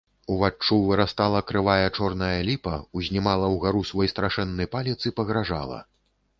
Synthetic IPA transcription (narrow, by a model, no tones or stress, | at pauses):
uvat͡ʂːuvɨɾast̪alˠɐkɾɨvajɐt͡ʂɔrnɐjɐlʲipɐuzʲnʲimalˠɐwɣaɾusvɔjst̪ɾaʂɛnːɨjpalʲit̪sɨpɐɣɾaʐa̰lˠɐ̰